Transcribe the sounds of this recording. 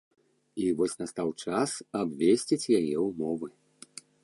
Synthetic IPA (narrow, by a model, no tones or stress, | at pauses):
ivɔsʲnɐst̪awt͡ʂasabvʲesʲt͡sʲit͡sʲjajɛwmɔvɨ